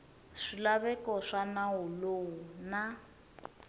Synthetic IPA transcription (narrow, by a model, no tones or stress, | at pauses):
ʂilaβɛkɔʂanaɦulouna